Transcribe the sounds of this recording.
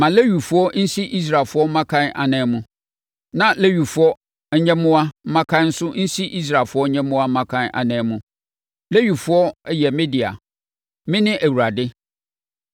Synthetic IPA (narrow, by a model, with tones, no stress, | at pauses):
mã˨le˦ɥi˨fʊ˨˦ɔ˦n̩˦si˦ʔi˦s̬ɾa˨fʊ˦ɔ˦m̩˦mã˦kʰã˦nʔa̰˨nɛ̃˨˦mũ˨ | nã˨le˦ɥi˨fʊ˨˦ɔ˦ | ɲɛ̃˦mʊ̃˦a˦m̩˦mã˦kʰã˦nn̩˦sʊ˦n̩˦si˦ʔi˦s̬ɾa˨fʊ˦ɔ˦ɲɛ̃˦mʊ̃˦a˦mã˦kʰã˦na̰˨nɛ̃ː˨˦mũ˦ | le˦ɥi˨fʊ˦ɔ˦jɛ˨mɪ̃˦dɪ˨a̰˨ | mɪ̃˦nɪ̃˦ʔæ˨wu˨ɾa˨dɪ˦